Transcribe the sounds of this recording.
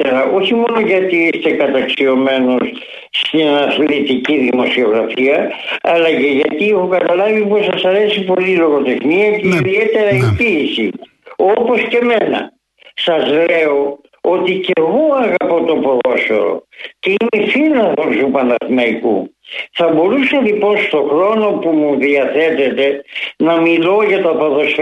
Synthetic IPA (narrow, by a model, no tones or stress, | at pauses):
eɾɐʔo̞çimo̞no̞ʝɐt̪iist̪e̞kɐt̪ɐksio̞me̞nos | st̪inɐθlit̪iciðimo̞sio̞ɣɾɐfiɐɐlɐce̞ʝɐt̪iexokɐt̪ɐlɐviposɐsɐɾe̞sipo̞lilo̞ɣo̞t̪exniɐceiðiet̪e̞ɾɐipiːsḭ | opo̞sce̞me̞nɐ̰ | sɐzle̞o̞ | o̞t̪iceɣo̞ɐɣɐpo̞t̪o̞poðo̞so̰ɾo̰ceimefilɐðosupɐnɐθnɐikṵθɐbo̞ɾusɐlipo̞nst̪o̞xɾo̞no̞pumuðiɐθe̞t̪e̞t̪e̞nɐmilo̞ʝɐt̪oɐpoðo̞s